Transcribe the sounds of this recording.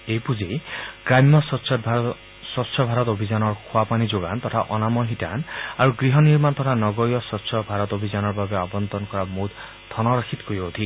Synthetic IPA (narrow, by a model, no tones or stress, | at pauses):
ejpud͡ʒeɡɾamjɔsɔsʰ | sɔsʰɔbʱaɾɔt̪obʱid͡ʒanɔɹkʰwapanid͡ʒoɡant̪ɔt̪ʰaʔɔnamɔɦitanaɾuɡɾiɦɔniɾmant̪ɔt̪ʰanɔɡɔɾijɔsɔʃʰɔbʱaɾɔt̪obʱizanɔɹbabeabɔnt̪ɔnkɔɾamud̪ | t̪ʰɔnɔɾɔkʰit̪kojot̪ʰi